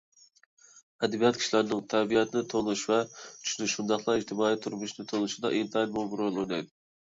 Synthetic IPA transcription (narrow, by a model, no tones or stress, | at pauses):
ɛd̪ɛbijɑt̪̚kʲi̥ʃlæɾnɨŋt̪ʰɛbijɛt̪ʰɪnɪt̪ʰonˠuʃvɛt͡ʃ̪ʰy̥ʃnɪʃund̪ɑχlˠɑɪʒt̪ʰɪmɑːit̪ʰuɾmuʃnɪt̪ʰolˠuʃid̪ɑ̰ʔint̪ʰɑnmolˠbɾolˠojnɑ̰jd̪ʊ